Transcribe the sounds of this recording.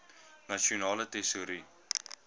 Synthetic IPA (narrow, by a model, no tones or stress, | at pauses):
nɐʃionɑːlətɛsuɾi